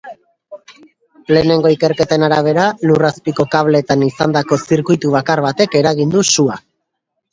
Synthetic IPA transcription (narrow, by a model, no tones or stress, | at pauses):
le̞ne̞ŋɡo̞ike̞ɾke̞t̪aenaɾaβ̞e̞ɾaluraspiko̞kaβle̞t̪anisand̪ako̞siɾkujt̪uβ̞akarβat̪e̞ke̞ɾaɣ̞ind̪usua